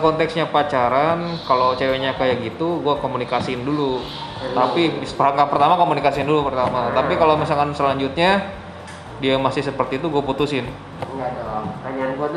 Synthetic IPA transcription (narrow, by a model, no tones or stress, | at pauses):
kɔnt̪ɛksɲapat͡ʃaɾankalowt͡ʃeweɲakajaɡit̪uɡuakomunikasiɪndulu | t̪apispəɾaŋkapərt̪amakomunikasindulupərt̪amat̪apikalomisalkansəlaɲd͡ʒut̪̚ɲa | diamasɪhsəpərt̪iːt̪uɡuaput̪usɪn | ŋɡadalaɲnɡua